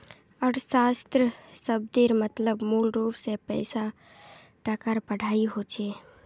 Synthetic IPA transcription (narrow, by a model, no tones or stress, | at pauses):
ɔːɾsast̪ɾəsəb̚d̪eɾmət̪ləbmulɾupsepəɪsa | ʈakaɾpəɽ̤ʱaiɦot͡ʃʰɛ